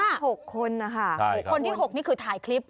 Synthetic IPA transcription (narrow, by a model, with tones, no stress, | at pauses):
a˥˩ho˨˩kʰːo˧nːa˦˧˩kʰa˥˩˧kkʰːo˧nt̪ʰiː˥˩ɦo˨˩k̚niː˦˥kʰɯː˧t̪ʰaː˨˩˦jkʰli˦˥p̚